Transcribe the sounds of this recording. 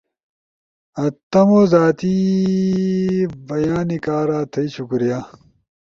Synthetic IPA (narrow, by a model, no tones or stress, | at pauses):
ɐt̪ːɐmoːzaːt̪i | bɐjaːnikaːɾaːt̪ʰɐiɕukuɾijaː